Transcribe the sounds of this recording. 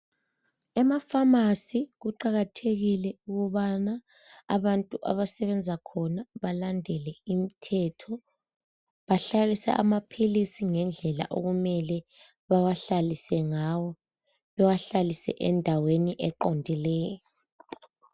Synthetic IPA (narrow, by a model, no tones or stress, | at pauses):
ɛmafamasiɣuǃaɣatʰeɣilɛuɣuβanaː | βantʼuʔa̰βasɛβɛnd͡zʱakʰɔnaβalandʱɛlɛim̩tʰɛtʰɔ | βaɬalisɛ̰ʔa̰mapʰilisiŋɛnd͡ɮʱɛla̰ʔoɣumɛlɛ | βawaɬalisɛŋawɔ | βɛwaɬalisɛ̰ʔɛndʱaweniʔɛǃondʱilɛːjɔ